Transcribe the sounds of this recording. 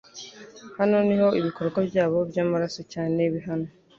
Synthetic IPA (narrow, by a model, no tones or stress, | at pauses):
hano̞niho̞iβiko̞ɾɡwabɟaːβo̞bjaːmaɾasocaːneβiɦano